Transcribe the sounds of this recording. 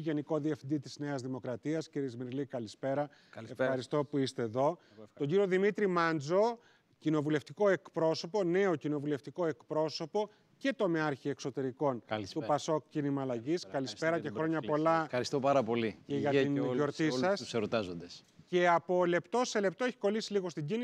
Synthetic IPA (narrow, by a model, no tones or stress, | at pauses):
ʝe̞niko̞ðiefind̪it̪izne̞ɐzðimo̞kɾɐt̪iɐsciɾizmiɾlikɐlispe̞ɾɐ | efxɐɾist̪o̞puist̪e̞ːðo̞ | t̪o̞ɲɟiɾio̞ðimit̪ɾimɐnd͡zo̞ | cino̞vule̞ft̪iko̞e̞kpɾo̞so̞po̞ne̞ocino̞vule̞ft̪iko̞e̞kpɾo̞so̞po̞ | ce̞t̪o̞meɐɾçie̞kso̞t̪e̞ɾiko̞nt̪upɐso̞kcinimɐːlɐʝiskɐlispe̞ɾɐcexɾo̞ɲɐpo̞lɐɐɾist̪opɐɾɐpo̞lieʝɐino̞ɾt̪isɐsseɾot̪ɐzond̪es | ce̞ɐpo̞le̞pt̪o̞se̞le̞p̚t̪o̞eçi̥ko̞lisiliɣo̞st̪iɟini